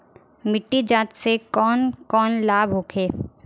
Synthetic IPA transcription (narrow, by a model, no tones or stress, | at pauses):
mɪʈːid͡ʒaːt̪sekɔːnkɔːnlaːbʱɦoːkʰeː